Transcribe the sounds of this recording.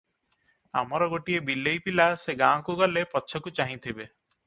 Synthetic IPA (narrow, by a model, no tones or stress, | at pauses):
a̰mɔɾɔɡoʈiebilːejpilaseɡãɔ̃kuɡɔlepɔtːʃʰɔkut͡ʃaɦĩt̪ʰibe